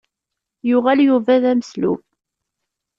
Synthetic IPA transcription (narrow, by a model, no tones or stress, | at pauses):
jʊʁæljuvæðæməslṵf